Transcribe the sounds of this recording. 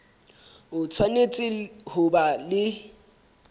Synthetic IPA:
ʊt͡sʰwanet͡sʼɪhʊbalɪ

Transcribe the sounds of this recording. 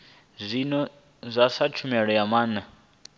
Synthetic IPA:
zʷinɔ | zʷasat͡ʃʰumiaɺɔjamaːna

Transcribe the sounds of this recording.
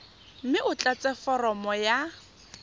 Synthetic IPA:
m̩mɪʔʊt͡ɬʼat͡sʼɛfɔrɔmɔja

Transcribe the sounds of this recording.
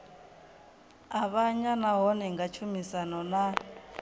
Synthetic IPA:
aβaɲanaɦɔnɛŋɡat͡ʃʰumisanɔna

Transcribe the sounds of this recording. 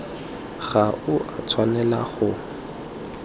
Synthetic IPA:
ɣ̥aʊʔat͡sʰwanɛlaχʊ

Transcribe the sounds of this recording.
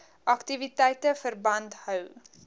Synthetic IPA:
ʔɐktivitɛjtəfərbɐnthœw

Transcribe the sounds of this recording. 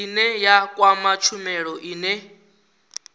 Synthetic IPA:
inɛjakʼwamat͡ʃʰumɛɺɔʔiːnɛ

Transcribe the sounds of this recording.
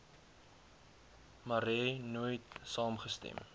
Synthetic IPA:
mɐɾɛnujtsɑːmχəstɛ̰m

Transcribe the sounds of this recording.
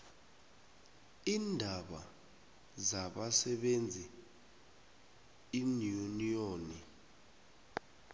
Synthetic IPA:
iːndʱaɓa | zaɓasɛɓend͡zʱi | inunijoːni

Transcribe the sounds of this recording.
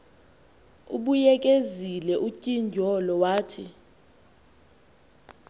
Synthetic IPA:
uɓujɛk̬ʼezilɛʔucʼind͡ʒʱɔlɔwaːtʰḭ

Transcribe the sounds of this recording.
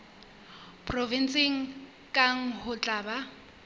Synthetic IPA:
pʰrɔvinsʼɪŋ̩ | kʼaŋ̩hʊt͡ɬʼaːba

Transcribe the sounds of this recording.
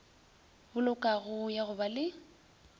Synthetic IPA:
bʊlʊkʼaɣʊjaɣʊbalɪ

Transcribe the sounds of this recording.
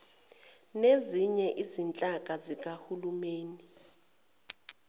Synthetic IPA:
neziɲɛʔizint͡ɬʼak̬ʼazik̬ʼahulumeːni

